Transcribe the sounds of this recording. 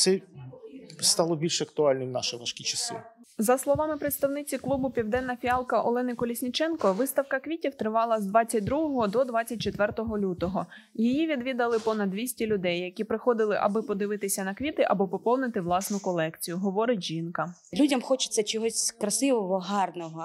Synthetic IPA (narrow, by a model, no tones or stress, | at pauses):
t̪sɛ | st̪ɑlˠɔbʲilʲʃɐk̚t̪ʊɑlʲnɔnɑʃɪʋɐʃkʲit͡ʃɐsɪ̰ | zɐslˠɔʋɑmɪpɾet̪st̪ɐwnɪt͡sʲiklˠubʊpʲiwd̪ɛnːɐfʲiɑlˠkɐʔɔ̰lˠɛnɪkɔlʲisʲnʲit͡ʃɛnkɔʋɪst̪ɐwkɐkʋʲitʲiwt̪ɾɪʋɑlˠɐzd̪ʋɑt͡sʲːɐt̚ʲd̪ɾuɦɔɦɔd̪ɔd̪ʋɑt͡sʲːɐt̚ʲt͡ʃet̪ʋɛrt̪ɔɦɔlʲut̪ɔɦɔ | jijiʋʲid̪ʋʲid̪ɐlˠɪpɔnɐd̪ʋʲisʲtʲilʲʊd̪ɛjːɐkʲipɾɪxɔd̪ɪlˠɪʔɐ̰bɪpɔd̪ɪʋɪt̪ɪsʲɐnɐkʋʲit̪ɪʔɐbɔpɔpɔw̪nɪt̪ɪʋlˠɑsnʊkɔlˠɛkt͡sʲijʊɦɔʋɔɾɪtʲʒinkɐlʲudʲɐmxɔt͡ʃɪ̥t͡sʲːɐt͡ʃɔɦɔsʲkɾɐsɪʋɔʋɔɦɑrnɔɦɔ